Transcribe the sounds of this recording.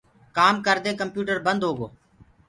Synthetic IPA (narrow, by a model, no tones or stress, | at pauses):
kaːmkəɾd̪eːkəmpjuːʈəɾbənd̪ɦoːɡoː